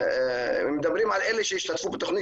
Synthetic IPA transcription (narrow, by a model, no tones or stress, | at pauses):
med̪abɾimʕaleleʃejiʃt̪at̪fubet̪oχni